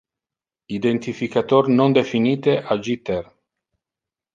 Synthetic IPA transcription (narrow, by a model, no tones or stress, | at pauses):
id̪ent̪ifikat̪ornond̪efiniːt̪eʔad͡ʒit̪er